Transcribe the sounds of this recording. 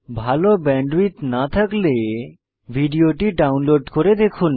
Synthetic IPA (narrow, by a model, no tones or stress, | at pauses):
bʱalobɛɳɖɾit̪nat̪ʰakle | bʱiɖioʈiɖawnloɖkoɾed̪ekʰun